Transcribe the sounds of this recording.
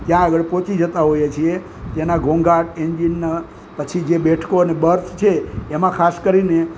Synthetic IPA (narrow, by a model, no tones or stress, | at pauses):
t̪jãəɡəɭpõt͡ʃid͡ʒət̪aɦojet͡ʃʰie | t̪enaɡʱõŋɡʱaʈeɲd͡ʒinːa | pət͡ʃʰid͡ʒebeʈʰkoənebəɾsʰt͡ʃʰeːmãkʰaskəɾine